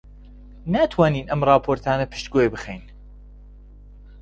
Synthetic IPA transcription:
naːt̪ʰwaːniːnʔɐmɾˤɑːpʰoːɾt̪ʰaːnɐpʰɨ̥ʃt̪ɡoːjbɨxejn

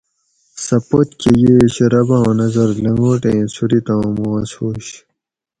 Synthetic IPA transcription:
sɐpot̪kejeːɕeɾɐbɐõnɐzɐɾlɐŋɡoːʈẽːsuɾit̪ãːmoɐshoːɕ

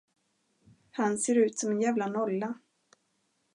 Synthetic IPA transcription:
hanseːɾʉ̟ːt̪sɔmɛnjæːvlanɔlːa

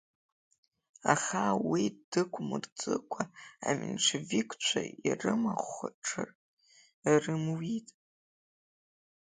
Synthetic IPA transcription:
aχawidɨkʷʰʼmɨrt͡sʼɨkʷʰaamʲɨnʈ͡ʂʷʰavikʰʷʼt͡ʃʷʰairɨmaχʷʈ͡ʂʰɨr | rɨmwitʼ

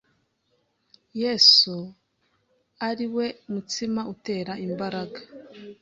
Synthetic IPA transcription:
jesu | aɾiwe̞umutimaute̞ːɾaimbaɾaɡa

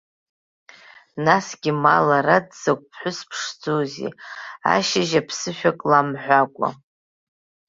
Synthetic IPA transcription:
nasɡ̥ʲimalaɾadz̥akʷʼpʰħʷʊspʰʂd͡zozḛa̰ʃaʒapʰsɨʃᶣakʼlamħʷakʷʼa̰

